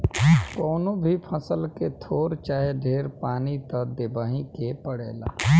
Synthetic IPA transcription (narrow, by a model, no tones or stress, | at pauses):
kɔːnõbʱipʰɐsəlket̪ʰoːɾt͡ʃaːɦeɖʱeːɾpaːnit̪ɐd̪ɪbaːɦĩkepəɽḛːla̰ː